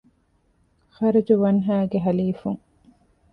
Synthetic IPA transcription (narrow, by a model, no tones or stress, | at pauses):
xɐɾɐd͡ʒuʋɐnɦæːɡeɦɐliːfuŋ